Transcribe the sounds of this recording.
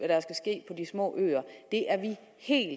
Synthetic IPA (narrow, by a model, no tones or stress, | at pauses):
æɾ̥æsɡ̥æsɡ̥e̝̰ːpʰɒ̽d̥ismɔ̰̽ːʔø̰ːɐd̥e̝ʔæɐʋi | he̝̰ːl